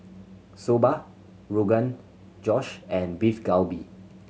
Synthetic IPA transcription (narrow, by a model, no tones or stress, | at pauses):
soba | ɹuɡə̃n | d͡ʒɔʃɛ̃nbifɡalbi